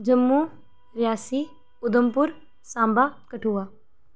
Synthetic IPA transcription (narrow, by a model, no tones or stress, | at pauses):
d͡ʒəmːu | ɾɪjaːsiː | ʊd̪əmpʊɾ | sãːmbaːkəʈʰuːaː